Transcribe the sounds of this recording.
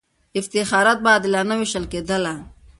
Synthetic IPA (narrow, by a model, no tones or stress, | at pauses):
ɪft̪ɪxaːɾat̪̚baːd̪ɪlanawɪʃəlkeːd̪əla